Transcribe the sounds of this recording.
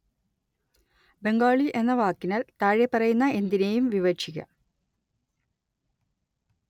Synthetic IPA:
be̞ŋɡaːɭiʔe̞nːɐʋaːkːinaːlt̪aːɻepːɐrɐjunːɐe̞nd̪ine̞jumʋiʋɐt͡ɕʰiɣʲɐ̰

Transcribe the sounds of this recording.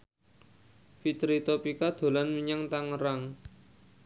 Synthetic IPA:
fit̪ɾit̪opikad̪̥o̤lanmiɲaŋt̪aŋəɾaŋ

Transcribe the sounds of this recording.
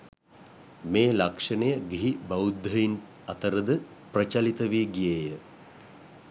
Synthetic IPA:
meːlakʂɐnəjəɡiɦibaud̪ːəjin | at̪əɾəd̪ə | prət͡ʃalit̪əʋiːɡijejə

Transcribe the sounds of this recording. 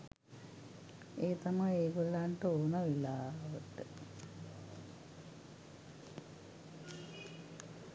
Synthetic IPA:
eːt̪amɐjeːɡolːaːɳʈəoːnɐʋilaːʋəʈə

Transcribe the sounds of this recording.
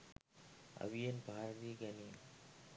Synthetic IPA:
ɐ̰ʋɪjɐnbʱaːɾɐðiɡɐni

